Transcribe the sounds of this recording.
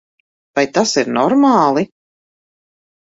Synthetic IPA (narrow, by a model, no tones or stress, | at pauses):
vajt̪asiɾnɔɾmaːlˠi